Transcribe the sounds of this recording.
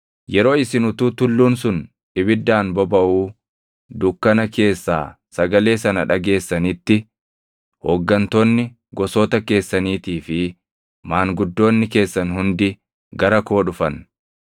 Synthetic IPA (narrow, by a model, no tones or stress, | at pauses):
jɛɾo̞ːɪsɪnʊt̪uːt̪ʊlːuːnsʊn | ᶑɪbɪd̪ːaːnbɔbɐʔuː | d̪ʊkːɐnɐke̞ːsːa̰ː | sɐɡɐle̞ːsɐnɐᶑɐɡe̞ːsːɐnit̪ːɪ | hɔɡːɐnt̪oːnːɪ | ɡɔsoːt̪ɐke̞ːsːɐniːt̪iːfɪ | maːŋɡʊd̪ːo̞ːnːɪke̞ːsːɐnhʊnd̪ɪ | ɡɐɾɐko̞ːᶑʊfɐn